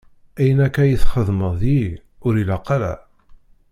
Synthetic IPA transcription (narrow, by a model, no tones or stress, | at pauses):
æjənækːæjəθχəðˤməðˤji | ʊɾilæqːɑɾæ̰